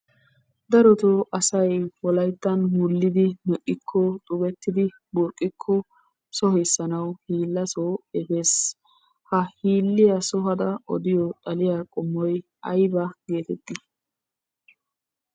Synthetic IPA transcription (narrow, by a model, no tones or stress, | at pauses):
d̪ɐɾɔt̪oʔɐsɐjwɔlɐjt̪ːɐnwʊlːɪd̪ɪmɛʔːɪkʰːɔt̪ʼʊbɛt̪ːɪd̪ɪ | bʊɾkʼːɪkʰːɔ | sɔɦɛsːɐnɐwhiːlːɐsoːɛfe̞ːs | hɐhiːlːɪjɐsɔɦɐd̪ɐɔd̪ɪjɔt̪ʼɐlɪjakʼɔmːɔj | ɐjbɐɡe̞ːt̪ɛt̪ːɪ